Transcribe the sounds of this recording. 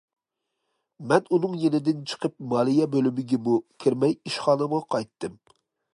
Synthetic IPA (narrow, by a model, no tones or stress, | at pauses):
mɛnunɨŋjenɪd̪ɪnt͡ʃʰə̥qʰəp̚mɑːlˠijɛbølymɪɡʲɛmukʲʰiɾmɛjiʃχɑːnəmʁɑqʰɑjt̪ːɨm